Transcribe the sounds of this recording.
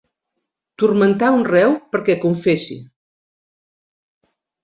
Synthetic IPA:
t̪uɾmənt̪aunrɛwpəɾkɛkuɱfesḭ

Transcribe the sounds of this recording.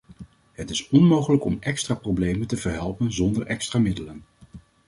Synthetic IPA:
ɦətɪsɔnmowχələkɔ̰mɛkstraːprowblejməntəvəɹɦɛlˠpənzɔndəɹʔɛkstraːmɪdələn

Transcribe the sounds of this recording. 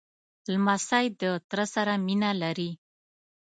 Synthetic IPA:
lmasajd̪ət̪ɾəsaɾaminalaɾi

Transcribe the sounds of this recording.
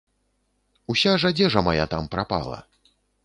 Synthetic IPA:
usʲaʐad͡zʲɛʐɐmaja̰t̪ampɾapa̰lˠɐ̰

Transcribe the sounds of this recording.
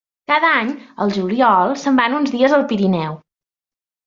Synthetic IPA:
kaðəaɲəlˠʒuliɔlˠsəmbanunzðiəzəlˠpiɾinɛw

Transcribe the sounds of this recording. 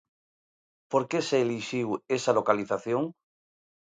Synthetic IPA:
poɾkeseːliʃiwesalo̞kaliθaθjõŋ

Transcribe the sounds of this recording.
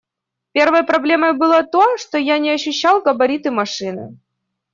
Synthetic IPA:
pʲe̞rvəjəpɾɐblʲe̞məjbɨlˠət̪oʂt̪ojanʲɪɐɕːʉɕːalˠkəbɐɾʲit̪ɨmɐʂɨnɨ̰

